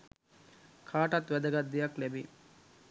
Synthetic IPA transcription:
kʰaːʈat̪ʋæd̪ɐɡat̪d̪ijaklæbi

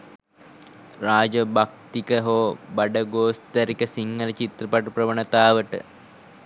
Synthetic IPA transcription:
raːd͡ʒəbak̚t̪ikəɦoːbaɖəɡoːst̪əɾikəsiŋːɡələt͡ʃit̪rɐpaʈuprəʋənət̪aːʋəʈə̰

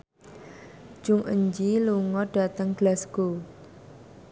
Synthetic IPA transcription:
d͡ʒ̥ʊŋʔə̰ɲd͡ʒiluŋɔɖ̥a̤t̪əŋɡ̥lasɡ̥o

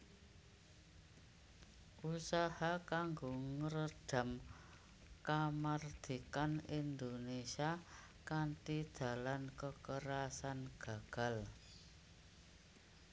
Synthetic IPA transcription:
usahakaŋɡoŋəɾəɖ̥a̤m | kamard̪̥i̤kanind̪onesia | kantid̪̥a̤lankəkəɾasanɡ̥a̤ɡ̥a̤l

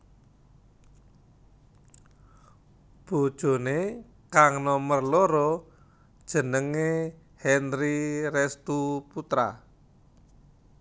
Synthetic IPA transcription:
b̥o̤d̥ʒ̥o̤ne | kaŋnɔmərloɾɔ | d̥ʒ̥ə̤nəŋe | hɛnɾiɾɛst̪uput̪ɾa̰

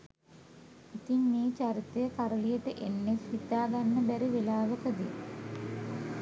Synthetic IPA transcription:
it̪immeːt͡ʃaɾit̪əjəkaɾəlijəʈəʔenːefit̪aːɡanːəbæɾiʋelaːʋəkəd̪i

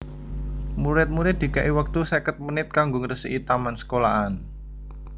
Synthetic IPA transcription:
muɾɪt̪̚muɾɪt̪̚d̪̥i̤kaʔiwak̚t̪usekət̪̚mənɪt̪̚kaŋɡʊŋɾəsəʔit̪amansə̥kolaʔan

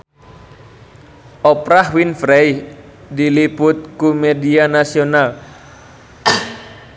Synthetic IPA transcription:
ʔɔpɾaɦwinfɾej | dilipʊt̪̚kumedianasional

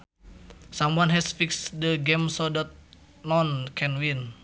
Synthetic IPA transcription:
samwanɦɛsfiksdəɡɛmsɔdɔt̪̚ | nɔnkʰɛnwin

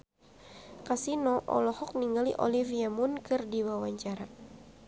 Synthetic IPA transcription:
kasinɔʔɔ̰lɔhɔk̚niŋɡaliʔɔ̰liviamunkɨrdiwawaɲt͡ʃaɾa

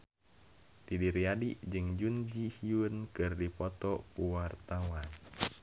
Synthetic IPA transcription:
t̪idiɾiadiʔd͡ʒɨŋd͡ʒund͡ʒihiunkɨrdipɔt̪ɔkuwart̪awan

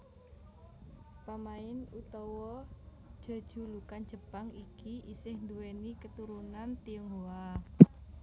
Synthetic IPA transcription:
pamaɪnut̪ɔwɔ̥ | ʒ̥a̤d̥ʒ̥ṳlukan̥d͡ʒ̥ə̤paŋikiʔisɪhnd̪uwenikət̪uɾunant̪iuŋɦoa

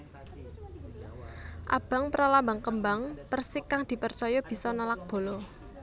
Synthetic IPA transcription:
ʔa̰b̥a̤ŋpɾalambaŋkəmbaŋpərsɪkːaŋd̪̥i̤pərt͡ʃɔjɔb̥i̤sɔnalak̚b̥o̤lɔ

